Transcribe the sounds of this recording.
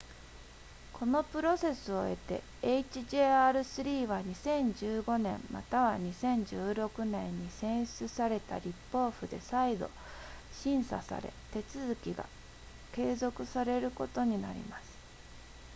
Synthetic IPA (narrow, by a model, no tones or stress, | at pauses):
kʰo̞no̞pɯ̟ɾo̞se̞sɨo̞e̞̰t̪e̞̰ː | it͡ɕiʑe̞ːaɾɯ̟sɨɾʲiːβaɲ̟isẽ̞ɲ̟d͡ʑɨːɡo̞nẽ̞mma̰t̪aβaɲ̟isẽ̞ɲ̟d͡ʑɨːɾo̞kɯ̟nẽ̞ɲ̟ːisẽ̞ɰ̃ɕt͡sɨsaɾe̞t̪a̰ɾʲipːo̞ːɸɯ̟d̪e̞̰said̪o̞̰ | ɕĩɰ̃sa̰sa̰ɾe̞̰t̪e̞t͡sɨzɨkʲiɡa̰ | ke̞ːzo̞kɯ̟saɾe̞ɾɯ̟ko̞t̪o̞ɲ̟ina̰ɾʲḭmasɨ̥